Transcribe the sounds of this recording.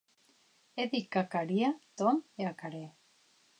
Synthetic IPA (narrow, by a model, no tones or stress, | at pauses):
eðikakaɾiat̪oneakaɾe